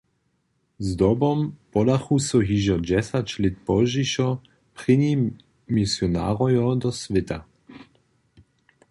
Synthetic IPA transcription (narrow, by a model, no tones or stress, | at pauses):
zd̪ɔbɔmpɔdaxusɔɦiʒɔd͡ʑɛsat͡ɕlɪt̪̚pɔʒiʃɔ | pʁɪɲi | misjɔna̰ːʁɔjɔd̪ɔsʋɪt̪a